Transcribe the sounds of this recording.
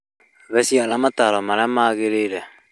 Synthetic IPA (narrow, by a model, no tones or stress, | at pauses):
βɛsialamataɾɔmaɾamaːɣeɾeɾɛ